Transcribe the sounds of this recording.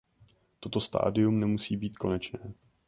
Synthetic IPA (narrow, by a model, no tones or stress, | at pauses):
t̪o̞t̪o̞st̪a̰ːdɪumnɛmusiːbiːt̪kʰo̞nɛt͡ʃnɛː